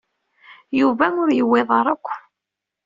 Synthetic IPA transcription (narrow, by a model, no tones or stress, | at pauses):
juvæʊɾjəwːeðˤəɾˤəkʷː